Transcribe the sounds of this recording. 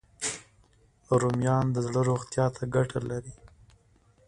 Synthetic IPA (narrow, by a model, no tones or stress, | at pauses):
ɾomjɑnd̪əzɽəɾoɣt̪jɑt̪ʰaɡaʈʰalaɾi